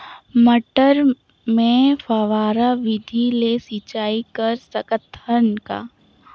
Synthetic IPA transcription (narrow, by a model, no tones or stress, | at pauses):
məʈəɾ | mẽfəʋaːɾaʋɪd̪ʱilesit͡ʃaːikɐɾsɐkət̪ʰːənka̰ː